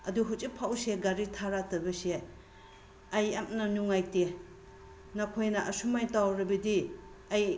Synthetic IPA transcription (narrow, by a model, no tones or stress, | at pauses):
ɐduɦut͡ʃipʰawseɡaɾitʰaɾatɐbɐse | ɐjamnɐnuŋajte | nakʰojnɐʔɐsumajtawɾɐbɐdiɐj